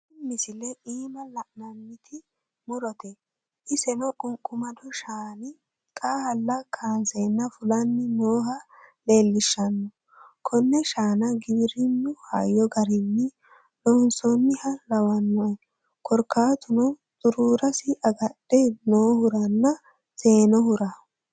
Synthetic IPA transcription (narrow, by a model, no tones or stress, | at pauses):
ɪmːɪsɪlɛʔiːmɐlɐʔnɐnːɪt̪ʰɪ | mʊɾɔt̪ɛ | hɪsɛnɔkʼʊŋkʼʊmɐd̪ɔʃaːnɪ | kʼaːhɐlːɐkʰaːnsenːɐfʊlɐnːɪnoːɦɐleːlːɪʃːɐnːɔ | kʰɔnːɛʃaːnɐɡɪbɪɾɪnːʊha̰jːɔɡɐɾɪnːɪ | nɔnsɔnːɪhɐlɐwɐnːɔɛ | kʰɔɾkːaːt̪ʊnɔ | t̪ʊɾuːɾɐsɪʔɐɡɐɗ̥ːɛnoːhʊɾɐnːɐ | seːnɔhʊɾa